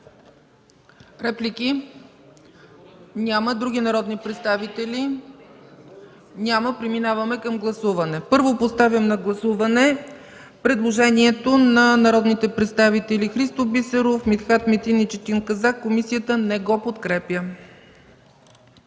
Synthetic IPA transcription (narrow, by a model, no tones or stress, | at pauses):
ɾɛplʲikʲi | nʲaməd̪ɾuɡ̟ʲinɐɾɔd̪nipɾɛt̪st̪avit̪ɛlʲi | nʲaməpɾɛminavɐmɛkəmɡlˠɐsuvɐnɛpɤɾvopost̪avʲəmnɐɡlˠɐsuvɐnɛ | pɾɛd̪lˠoʒɛniɛt̪onɐnɐɾɔd̪nit̪ɛpɾɛt̪st̪avit̪ɛlixɾist̪obisɛɾofmit̪xat̪mit̪init͡ʃɛt̪inkɐzakːomisiət̪ənɛɡɔpot̪kɾɛpjə